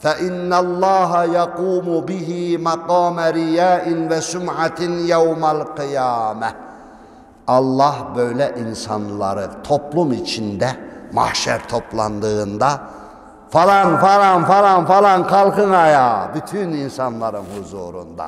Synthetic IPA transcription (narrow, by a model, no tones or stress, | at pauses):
fɛʔinːælˠːɑːɦajɑquːmubiɦimɑqɑːmæɾijæːʔɪnvɛsumʕat̪ʰinjawmælqɯjaːmæ | ɑlˠːɑhbø̞jlʲɛʔinsa̰nlˠa̰ɾɯt̪ʰo̞plˠumit͡ʃʰind̪ɛma̰hʃæ̰ɾt̪ʰo̞plˠɑnd̪ɯːnd̪a | falˠɑnfalˠɑnfalˠɑnfalˠɑnkʰɑlˠkɯnajaːbyt̪ʰyninsɑanlˠaɾɯnhuzṵːɾṵnd̪a̰